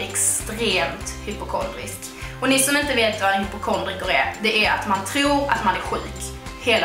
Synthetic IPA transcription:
ɛkst̪ɾeːmt̪hʏpʊkʰɔnd̪ɾɪ̰sk | ɔnɪsɔmɪnt̪əveːt̪vaɾhʏpːʊkʰɔnd̪ɾɪkʊɾæɾd̪ɛʔæɾa̰t̪mant̪ʰɾuːɾa̰t̪manæɾɧʉ̟ːk | heːl

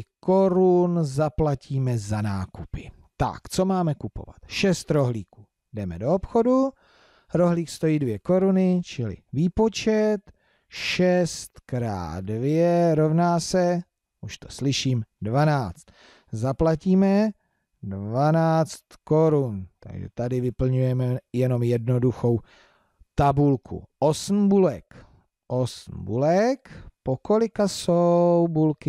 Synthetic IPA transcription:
ko̞ɾunzaplaciːmɛzana̰ːkupɪ | t̪a̰kt͡so̞maːmɛkupo̰va̰t̪ʃɛst̪ɾo̞ɦliːkuː | dɛmɛ̰do̞opxo̞du | ɾo̞ɦliːkst̪o̞jiːdvjɛko̞ɾunɪt͡ʃɪlɪ̰viːpo̞t͡ʃɛt̪ | ʃɛst̪kɾa̰ːdvjɛɾo̞vnaːsɛ | ʔuʃt̪o̞̥slɪʃiːmdvanaːt͡st̪ | zaplaciːmɛ | dvanaːt͡st̪ko̞ɾunt̪a̰ɡʒɛ̰t̪adɪvɪpl̩ɲujɛmɛjɛno̞mjɛdno̞duxo̞w | t̪abulkʰṵʔosm̩bulɛk | ʔosm̩bulɛkpoko̞lɪkasowbulkɪ

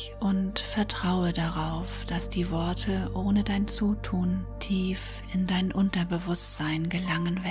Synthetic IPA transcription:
ʔʊntfɛɐtʁ̥aʊədaʁaʊfd̥asd̥iːvɔɐtʰəʔoːnədaɪnt͡suːtʰuːntʰiːf | ɪndaɪnʔʊntɐbəvʊstz̥aɪnɡəlaŋənvɛ

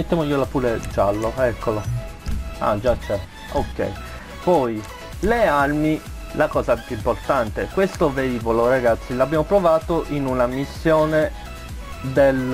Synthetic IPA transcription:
met̪ːjaːmoiːolapuɾed͡ʒalːoɛkːola | a̰d͡ʒat͡ʃːɛ | okːɛ̰j | pɔj | lealmi | lakɔːzapjuimport̪ant̪ekwest̪oveiːvoloɾaɡat̪sːilabːjaːmopɾovaːt̪oʔinunamisːjoːne | d̪el

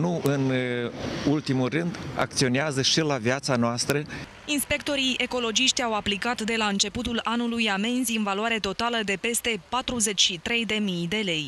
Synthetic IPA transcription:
nuʔɨn | ult̪imulrɨnd̪a̰kt̪sio̞neazəʃilaviat̪sanoast̪ɾə | inspe̞kt̪o̞ɾiʔe̞ko̞lo̞d͡ʒiʃt̪ʲawaplikat̪d̪e̞laɨnt͡ʃe̞put̪ulanulujame̞nziɨnvaloaɾe̞t̪o̞t̪aləd̪e̞pe̞st̪e̞pat̪ɾuze̞t͡ʃʲʃit̪ɾe̞jd̪e̞mijd̪e̞le̞j

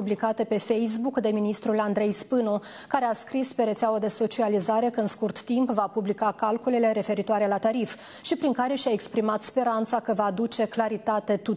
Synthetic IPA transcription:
ublikat̪e̞pe̞fe̞js̬bukd̪e̞minist̪ɾuland̪ɾe̞jspɨno̞kaɾeaskɾispe̞ɾet̪seawəd̪e̞so̞t͡ʃializaɾe̞kəɨnskurt̪ːimpvapublikakalkulele̞ɾe̞fe̞ɾit̪oaɾe̞lat̪aɾif | ʃipɾiŋkaɾe̞ʃae̞kspɾimat̪spe̞ɾant̪sakəvaːd̪ut͡ʃe̞klaɾit̪at̪e̞t̪u

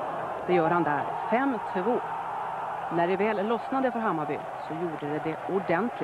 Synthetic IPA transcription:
d̪̥ɛjœːɾhand̪æ̰ɾfɛmːt̪ʰɪvoː | næɖɛvɛːlːɔsnad̪əfœɾɦamːabʏ̰ | sɔjuːɖəd̪ɛd̪ɛʊɖɛnt̪ʰlɪ

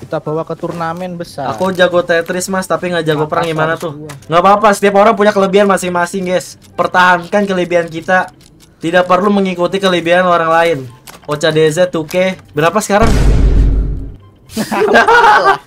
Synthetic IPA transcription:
it̪uapawakət̪urnamɛnbəsaakud͡ʒaɡot̪ɛt̪ɾɪsmast̪apiŋɡaʔd͡ʒaɡopəɾaŋɡimanat̪ʊhŋɡapapasə̥t̪iap̬aoɾaŋp̬uɲakələbianmasɪŋmasɪŋɡɛs | pərt̪aɦankankələbiank̬it̪a | t̪idak̚pərluməŋikut̪ikələbianoɾaŋlaɪnot͡ʃadezat̪ukɛbəɾapasə̥kaɾaŋ

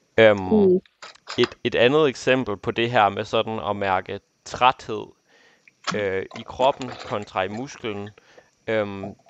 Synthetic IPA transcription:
øm | e̝d̥e̝d̥ænð̞̩ˠeɡ̥sem̰b̥l̩pʰɒ̽d̥e̝ɦæɐ̰mesɒ̽d̥n̩ɒ̽mæɐɡ̥ə | t͡sʰʁad̥he̝ð̰ˠ | øikʰʁɒ̽b̥n̩kʰɒ̽nt͡sʰʁɑ̈imusɡ̥ln̩ | øm

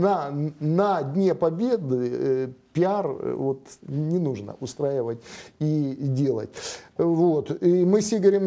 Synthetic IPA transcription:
nənɐdʲnʲepɐbʲe̞d̪ɨpʲɪarvo̞t̪nʲɪnuʐnə̰ʔʊst̪ɾaɪvətʲidʲelˠə̰tʲvot̪imɨsʲeɡʋɾʲim

